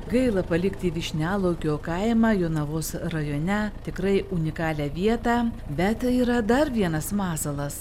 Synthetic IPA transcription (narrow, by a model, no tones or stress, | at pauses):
ɡɐɪlˠɐpɐlʲɪkt̪ʲiːʋʲɪʃʲnʲæːlˠɐʊkʲoːkɐɪmɑjoːnɐʋoːsrɐjoːnʲɛt̪ʲɪkɾɐɪʔʊnʲɪkɑːlʲæːʋʲiɛt̪ɑː | bʲɛt̪iːɾɐd̪ɐɾʋʲiɛnɐsmɑːsɐlˠɐs